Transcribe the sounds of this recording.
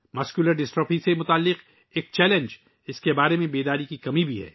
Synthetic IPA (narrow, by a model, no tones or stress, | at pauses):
mɐskjuləɾɖɪsʈɾopĩsemʊt̪aːlːɪq | eːk̚t͡ʃɛːlə̃nd͡ʒ | ɪskebaːɾemẽbeːd̪aːɾikikɐmibʱiɦɛ̰ː